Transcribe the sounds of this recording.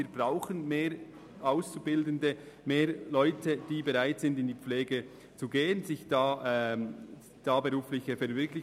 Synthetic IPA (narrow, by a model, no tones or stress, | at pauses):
iːb̥ʁaʊxənmeːɾ | ʔaʊst͡subɪldəndə | meːɾlɔʏtʰəd̥iːbɛʁaɪtz̥ɪndɪnd̥iːp͡fleːɡə | t͡suɡeːənzɪçd̥aːʔɛ | d̥aːbəʁuːflɪçəfɛɐvɪɐkʰlɪ